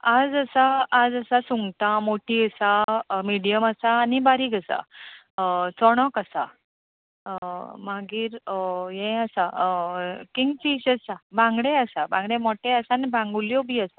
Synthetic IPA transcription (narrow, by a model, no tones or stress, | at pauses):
ad͡zəsaːd͡zəsasuŋɡt̪ãmoʈiəsamiɽijəməsaːnibaɾikəsa̰ | t͡sɔɽ̃ɔkəsa | maɡiːɾjɛ̃əsa | kiŋɡt͡ɕiɕəsabʱãŋɡɽɛəsabʱãŋɡɽẽmɔʈɛəsanebʱãŋɡuljɔbʱiːəsa